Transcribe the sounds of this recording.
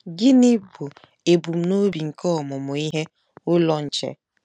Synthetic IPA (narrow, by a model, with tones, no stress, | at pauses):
ɡɪ˦nɪ˦bu˨ | e˨bu˨m̩˦˨no˦bi˨ŋ̩˨kɔ˦ɔ˨mʊ˨mʊ˨i˦ɦe˦ | ʊ˦lɔ˦n̩˨t͡ʃḛ˨